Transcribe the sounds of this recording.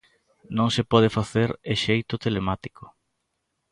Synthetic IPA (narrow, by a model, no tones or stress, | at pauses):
nõŋsepɔð̞efaθeɾeʃejt̪ʊt̪elemat̪i̥ko